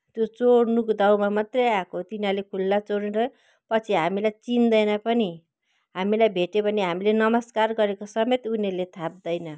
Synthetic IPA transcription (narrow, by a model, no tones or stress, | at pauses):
t̪jot͡soɽnukod̪awmamat̪rʌjakot̪inalekʰulːat͡soɽeɾʌ | pʌt͡sʰiɦamilajt͡sind̪ʌjnʌpʌni | ɦamilajbʱeʈebʱʌneɦamilenʌmʌskarɡʌɾekosʌmet̪unelet̪ʰab̚d̪ʌjnʌ